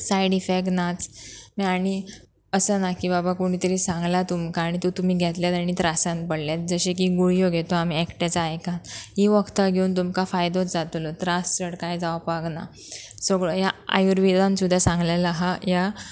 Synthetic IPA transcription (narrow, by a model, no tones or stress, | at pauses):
sajɖifeknat͡smiaɽ̃i | əsənakibabakoɽ̃it̪əɾiːsãŋɡlat̪umkaːɽ̃it̪ot̪um̤iːɡʱɛt̪ljat̪aɽ̃it̪ɾasãnt̪̚pəɽljat̪̚d͡zəɕek̬iɡuɭijoɡʱet̪oam̤iɛkʈat͡saːjkãt̪ɦiʋəɡt̪aɡʱeunt̪umkafajd̪ʱot͡sd͡zat̪ulot̪ɾasːəɽkajd͡zaʋpaɡna̰ | səɡɭojaa̰juɾʋid̪ãnsud̪ʱːasãŋɡlalaɦaja